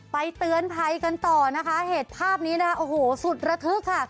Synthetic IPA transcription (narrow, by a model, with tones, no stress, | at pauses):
pa˧jt̪ɯ˧ənpʰa˧jka˧nt̪ɔː˨˩na˦˥kʰa˦˥heː˨˩t̪̚pʰaː˥˩p̚niː˦˥daː˥˩ʔoː˨˩hoː˩˦su˨˩t̪̚ɾa˧t̪ʰɯ˦˥kʰːa˥˩